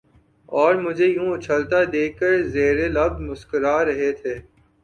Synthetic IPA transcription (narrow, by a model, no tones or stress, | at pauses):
ɔːɾmʊd͡ʒʱejũʊt͡ʃʰəlt̪ad̪eːkːəɾzeːɾelɐb̪̚mʊskəɾaːɾɐɦet̪ʰeː